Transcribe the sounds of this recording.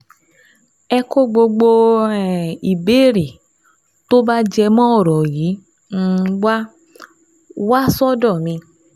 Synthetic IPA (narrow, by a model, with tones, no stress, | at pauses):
ɛ˧ko˦ɡ͡bo˧ɡ͡bo˧ | i˨be˦˨ɾi˨ | to˦ba˦d͡ʒɛ˧mɔ̃˦ɔ˦˨ɾɔ˨ji˨˦ | n̩˦˧wa˦ | wa˦sɔ˦dɔ˦˨mĩ˧